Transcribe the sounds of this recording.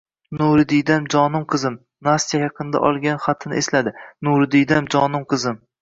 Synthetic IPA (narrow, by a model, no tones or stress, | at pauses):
nuɾɪd̪ɪjd̪amd͡ʒɒnɪmqʰɨzɪm | nast̪ijajɑqʰɨnd̪a̰ʔɒlˠɡʲanχat̪ʰɪnɪ̰ʔeslad̪ɪnuɾɪd̪ɪjd̪amd͡ʒɒnɪmqʰɨzɪm